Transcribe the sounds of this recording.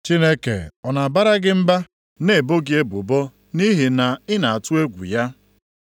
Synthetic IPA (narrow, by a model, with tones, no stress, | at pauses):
t͡ʃi˦ne˦kḛ˨ɔ˨na˨a˨ba˦ɾa˦ɡɪ˦m̩˦ba˦ | ne˨e˨bo˦ɡɪ˦e˦bu˨bɔ˦ | ni˦ɦi˨na˨ɪ˦na˨a˨tʊ˦e˦ɡʷṵ˨ja˦